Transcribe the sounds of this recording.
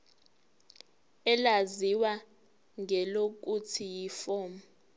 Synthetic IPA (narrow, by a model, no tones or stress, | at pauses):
ɛlaziwa | ŋɛlok̬utʰijifɔːma